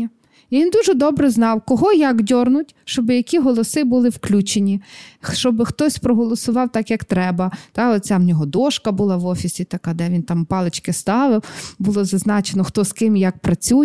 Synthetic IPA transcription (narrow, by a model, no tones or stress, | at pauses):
ɐ | iʋʲind̪uʒɛd̪ɔbɾɛznɑwkɔɦɔjɐkdʲɔrnʊtʲʃt͡ʃɔbɪjɐkʲiɦɔlˠɔsɪbʊlˠɪwklʲut͡ʃenʲit͡ʃɔbɪxt̪ɔsʲpɾɔɦɔlˠɔsʊʋɑwt̪ɑkjɐkt̪ɾɛbɐt̪ɑɔt͡sʲamnʲɔɦɔd̪ɔʃkɐbʊlˠɑʋɔfʲisʲit̪ɐkɑd̪ɛʋʲint̪ɑmpɑlˠet͡ʃkɪst̪ɑʋɪwbʊlˠɔzɐznɑt͡ʃenɔxt̪ɔskɪmjɐk̚pɾɐt͡sʲuj